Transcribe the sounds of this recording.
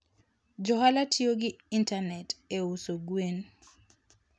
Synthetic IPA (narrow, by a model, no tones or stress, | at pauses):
d͡ʒɔɦalatʰioɡiintanɛteusoɡwen